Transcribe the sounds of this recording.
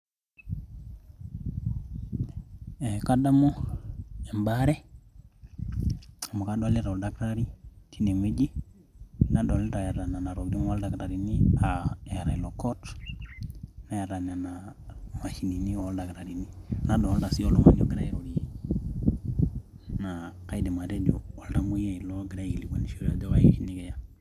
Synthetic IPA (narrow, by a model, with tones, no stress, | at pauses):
ɛka˦da˦mo˦ | ɛ˨mba˦ɾɛ˦ | a˨mo˨ka˦dɔ˦a˦le˦ɾa˨lda˨kɾa˦ɾi˦tʰi˦ne˨ŋi˦d͡ʒi˦ | na˦dɔ˨lta˨ja˨ɾa˨na˨na˨ɾo˨ɡdi˦m˦a˦lda˨kɾa˨ɾi˨ni˦a˨a˨ɾa˨i˨lo˨kɔ˦t | na˨ja˨ɾa˨na˨na˨ma˨ʃi˨ni˨ni˦ɔ˦lda˨ɡɾa˨ɾi˨ni˦na˦dɔ˨˦lda˨si˦o˨lo˦ŋa˦d͡ʒɔ˦ɡɾa˦i˦ɾo˨ɾi˨ | na˨ka˦i˦dɛ˨ma˨de˦d͡ʒɔː˨lda˦mu˦ja˦i˨lo˦ɡɾa˦ji˨li˨ɡa˦ni˨ʃo˨ɾa˨dɛ˦wa˦je˨ʃi˦ni˦ɡɛ˨ja˨